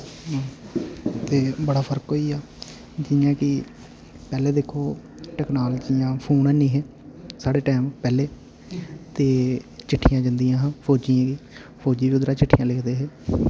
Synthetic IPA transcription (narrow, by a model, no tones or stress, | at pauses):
ɦː | t̪eːbəɽaːpʰəɾkɦoːiːaː | d͡ʒɪjãːkɪ | pɛːleːd̪ekʰːoː | ʈɛːknaːlːd͡ʒijãːpʰuːnɛːnĩːɦɛː | saːɽeːʈɛːmpɛːleː | t̪eːt͡ʃɪʈʰːijãːd͡ʒənd̪ijãːɦãːpʰoːd͡ʒiːãːɡiː | pʰoːd͡ʒiːʋiːʊd̪ɾaːt͡ʃɪʈʰːiːjãːleːkʰd̪eːɦeː